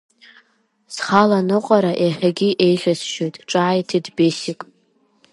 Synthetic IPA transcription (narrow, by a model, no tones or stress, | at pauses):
sχalanɨqʼaɾaʔeħʲᶣaɡʲiʔe̞jχʲasʃojtʼʈ͡ʂʼajtʰidbesikʼ